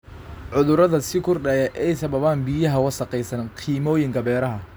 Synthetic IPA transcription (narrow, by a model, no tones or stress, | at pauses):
ʕʊðʊɾɐðɐsɪkʰʊrɖɐjɛʔɛjsɐβɐβaːnbijɐɦɐwɑsɐqɛjsɐnqʰiːmɔːjɪŋkʰɐbɛːɾɐɦɐ